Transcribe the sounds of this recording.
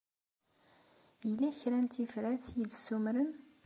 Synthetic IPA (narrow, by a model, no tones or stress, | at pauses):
jəlːæçɾænt̪ifɾæθjid̪sumɾən